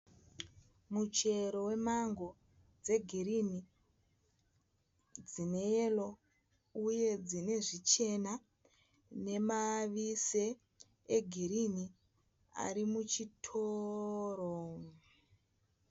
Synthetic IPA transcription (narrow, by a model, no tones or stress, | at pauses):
mut͡ʃe̞ɾo̞we̞maŋɡo̞ | d͡ze̞ɡʱiɾini | d͡zine̞elo̞ | uje̞d͡zine̞ʐit͡ʃe̞na | ne̞maʋise | eɡʱiɾini | a̰ɾimut͡ʃitʰoːɾo